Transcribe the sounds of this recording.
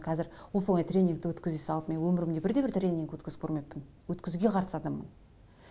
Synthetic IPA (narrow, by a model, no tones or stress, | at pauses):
qʰɑzɪɾwofəŋɑjt̪ɾʲe̞nʲːiŋkt̪ɪwɵt̪kʲɪzd̪esɑlˠəpme̞nwɵmɪɾɪmd̪ebɪɾd̪e̞bɪɾt̪rʲe̞nʲːiŋkwɵt̪kʲɪzɪ̥p̚kʰɾmejpːɪn | wɵt̪kʲɪzuɡʲe̞qʰɑɾəsɑd̪ɑmːən